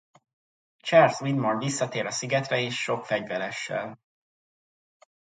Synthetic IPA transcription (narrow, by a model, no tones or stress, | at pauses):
t͡ʃarswid̪monvisːɒt̪eːɾɒsiɡɛt̪rɛeːʃːo̞kfɛɟvɛɾɛʃːɛ̰l